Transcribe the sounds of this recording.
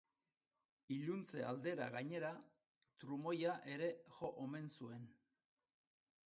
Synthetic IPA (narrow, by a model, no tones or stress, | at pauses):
iʎunt͡se̞a̰ld̪e̞ɾa̰ɣaɲe̞ɾa | t̪ɾumo̞jaʔe̞ɾe̞ʝo̞ʔome̞nsue̞n